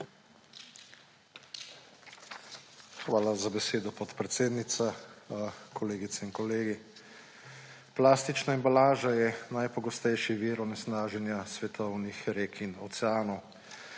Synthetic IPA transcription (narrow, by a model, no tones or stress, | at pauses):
xʋaːlazabɛseːd̪ɔpɔt̪pɾɛt̪seːd̪nit̪sa | kʰɔleːɡit̪sɛinkɔleːɡi | plaːst̪it͡ʃnaimbalaːʒajɛnajpɔɡɔst̪ɛjʃiʋiːɾɔnɛsnaːʒɛnjasʋɛt̪ʰɔwnixɾeːkʰinɔt̪sɛaːnɔw